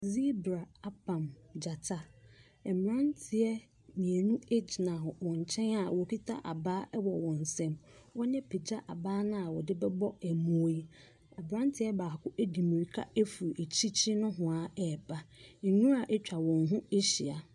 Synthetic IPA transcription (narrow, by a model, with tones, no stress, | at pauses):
zi˦bɾa˨a˦pʰã˨md͡ʑa˨tʰa˦ | ɛ˨m˨ɾã˦ntʰɪ˨ɛ˦ | mĩ˨e˨nũ˦e˦d͡ʑi˨nã˨hʊ̃˨wɔ̃˨ɲ˨t͡ɕʰɛ̃˦na˨wɔ˨kʰi˦tʰa̰˦ʔa˨baː˦ʔɛ˦wɔ˨wɔ̃˨n˨sɛ̃˦mwɔ˦ɲɛ̃˦pʰe˨d͡ʑa˦ʔa˨baː˦nʊ̃˦a˨wɔ˨dɪ˦bɛ˦bɔ˦ɛ˨mũ˦i˦ | ɛ˨bɾã˦ntʰɪ˦ɛ˦baː˨kʰʊ˦ʔe˦di˨mĩ˨ɾi˨kʰa̰˦e˦fu˨ɾe˨t͡ɕʰi˦t͡ɕʰi˦nʊ̃˦ɦʊ̃˨a˨ɛː˨bʰa˦ŋ̩˨nũ˦a˨ʔɛ˦t͡ɕᶣa˨wɔ̃˨nɦʊ̃˦e˦ɕi˨a˨